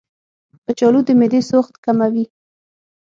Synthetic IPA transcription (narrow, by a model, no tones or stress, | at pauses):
p̪ət͡ʃɑlud̪əmed̪esoxt̪kamawi